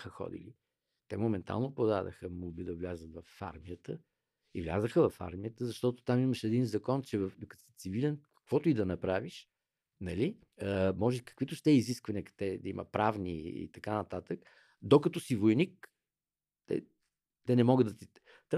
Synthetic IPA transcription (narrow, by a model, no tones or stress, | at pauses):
xəxɔ̰d̪ḭli | t̪ɛmomɛnt̪a̰lˠnopod̪ad̪ə̰xəmubid̪ɐvlʲazət̪vɐfa̰ɾmijət̪ə | ivlʲa̰zəxəvɐfa̰ɾmijət̪əzɐʃt̪ɔt̪o̥t̪amiməʃɛd̪inzɐkɔnt͡ʃɛvɐfd̪okə̥ɛt̪sivilʲɛnkɐ̥kvɔt̪ʊid̪ɐnɐpɾaviʃ | nɐli | əmɔʒɛikə̥kvit̪ʊʃt̪ɛiziskvɐniəkt̪ɛd̪ɐimʔə̰pɾavnḭḭt̪ɐkanɐt̪at̪ək | d̪okɐt̪ɔsivojnik | t̪ɛ̰ | t̪ɛnɛmɔɡəd̪ət̪i | t̪